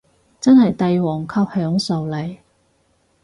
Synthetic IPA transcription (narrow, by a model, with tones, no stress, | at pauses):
t͡sɐ˥nhɐ˨jt̪ɐ˨jwɔː˨˩ŋkʰɐ˧p̚hœː˨˥ŋsɐ˨wlɐ˨˩j